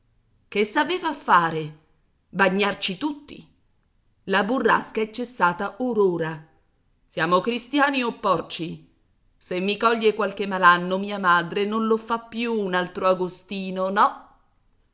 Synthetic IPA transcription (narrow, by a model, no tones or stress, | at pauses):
kesːaveːvafːaːɾe | baɲːart͡ʃit̪ut̪ːḭ | laburːa̰skaɛt͡ʃːesːaːt̪aʔoɾoːɾa | sjaːmokɾist̪jaːniopːɔrt͡ʃi | semːikɔʎːekwalkemːalanːomiːamaːd̪ɾenonlofapːjuːnalt̪ɾoaɡost̪iːnonɔ